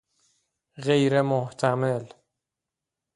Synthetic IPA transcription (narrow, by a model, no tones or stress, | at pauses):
ɣejɾemoht̪ʰæmel